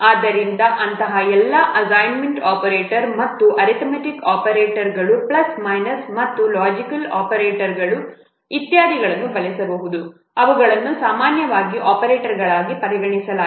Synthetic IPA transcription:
aːd̪ɐɾind̪ɐʔɐnt̪ɐɦɐɛlːɐʔɐsajnmeɳʈaːpɐɾeːʈɐɾmɐt̪ːuʔɐɾit̪mɐʈikaːpɐɾeːʈɐɾɡɐɭuplɐsmɐjnɐɾsmɐt̪ːulaːd͡ʒikɐlaːpɐɾeːʈɐɾɡɐɭu | it̪jaːd̪iɡɐɭɐnːubɐlisɐbɐɦud̪u | ɐʋɐɡɐɭɐnːusaːmaːnjɐʋaːɡiʔaːpɐɾeːʈɐɾɡɐɭaːɡipɐɾiɡɐɳisɐla

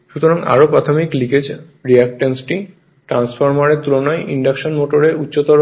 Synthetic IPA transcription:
ʃut̪oɾaŋa̰ɾopɾat̪ʰomikliked͡ʑ | ɾiak̚ʈensʈi | ʈɾansfʰoɾmaɾet̪ulonɔeʔiɳɖakʃonmoʈoɾeutːɕot̪ɔɾ

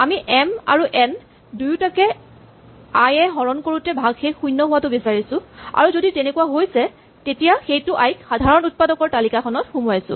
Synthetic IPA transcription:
amiʔɛma̰ɹuʔɛn | dujtakɛ | ajɛɦɔɹɔnkoɹutɛbʱaɡxexujnːɔɦʊwatʊbisaɹisʊ̃a̰ɹuzoditenekuwaɦojsɛ | tetijaxejtʊʔajkxadʱaɹɔnut̚padɔkɔɹtalikakʰɔnɔtxumɔjasʊ̰̃

